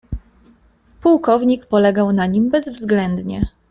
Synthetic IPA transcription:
puwkɔvɲikpɔlɛɡawnaɲimbɛzvzɡlɛnd̪ɲɛ

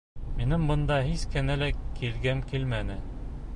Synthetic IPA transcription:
minɘmbɤ̆nd̪ɑhiskɘ̆nælækʰilɡæmkilmænɘ

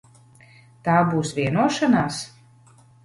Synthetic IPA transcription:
t̪aːbuːsvʲiɛnuɔʃanaːs

